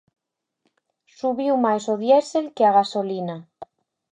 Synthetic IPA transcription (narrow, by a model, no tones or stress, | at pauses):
suβiwmajsoðjɛselkeaɣasolina